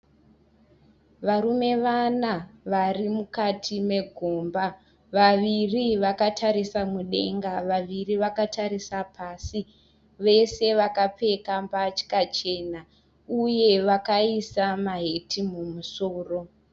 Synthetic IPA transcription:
ʋaɾume̞ʋanaʋarimukatʰime̞ɡʱoːmba | ʋaʋiriʋakatʰaɾisamuɗe̞̰ŋɡaʋaʋiriʋakatʰaɾisapʰasi | ʋe̞se̞ʋakap͡fe̞kambat͡ʃi̥kat͡ʃe̞ːna | uje̞ʋakaisamaɦe̞tʰimumusoːro̞

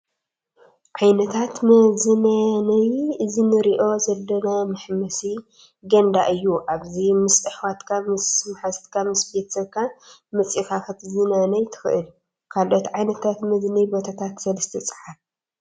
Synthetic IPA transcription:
ʕajnɐt̪ʰat̪mɐzɨnanɐjɨzinɨɾiʔo̞zɐlːɐnamɨħmɐsi | ɡɐnd̪aʔɨjːuʔaβzimɨsɨħwat̪kʰamɨsmħast̪kʰamɨspet̪sɐβkʰamɐt͡sʼixaxɐt̪zinanɐjt̪ʰɨ̥xɨ̰ʔɨl | kʰalʔo̞t̪ʕajnɐt̪ʰat̪mɨd̪nibot̪ʰat̪ʰat̪sɐlɐst̪ʰɐt͡sʼɨ̥ħaf

